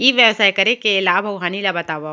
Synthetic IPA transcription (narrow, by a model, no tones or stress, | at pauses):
iːʋjɐʋsaːjkɐɾẽkelaːbʱɐwɦanilabɐt̪aːʋa